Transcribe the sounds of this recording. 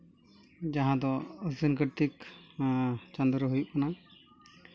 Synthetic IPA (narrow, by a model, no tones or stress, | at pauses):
d͡ʒaɦãd̪ɔəsinkəɾʈ̪ik | t͡ʃand̪ɾəɦujuʔ̚kana